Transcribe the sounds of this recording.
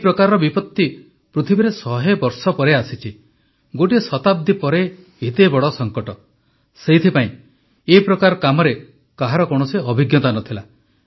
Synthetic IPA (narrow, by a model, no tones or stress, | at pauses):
epɾɔkaɾɔɾɔbipɔt̪ːi | pɾut̪ʰibeɾesɔɦebɔɾsɔpɔɾeasit͡ʃʰi | ɡoʈisɔt̪ab̚d̪ʱipɔɾe | ɦit̪ebɔɽɔsɔŋkɔʈɔ | seɦit̪ʰipaĩ | epɾɔkaɾɔkamɔɾe | kaɦaɾɔkɔɽ̃ɔsiɔbʱiɡjɔt̪anɔt̪ʰila